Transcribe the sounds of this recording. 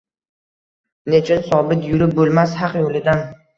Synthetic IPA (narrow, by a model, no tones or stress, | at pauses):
net͡ʃʰɪnsɒbɪt̪jʊɾɪp̚bolˠmashɑqjolɪd̪an